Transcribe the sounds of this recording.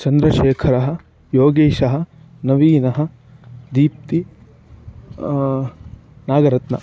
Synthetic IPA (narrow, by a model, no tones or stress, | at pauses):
t͡ʃɐnd̪ɾɐʃeːkʰɐɾɐɦɐ̆ | joːɡeːʃɐɦɐ̆ | nɐʋiːnɐɦɐ̆ | d̪iːp̚t̪i | naːɡɐɾɐt̪nɐ̰